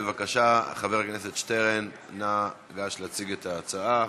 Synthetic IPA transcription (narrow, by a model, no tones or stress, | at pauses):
evakaʃaχaveʁkneset̪ʃteʁen | na | ɡaʃlat͡siɡet̪ʰaːt͡saa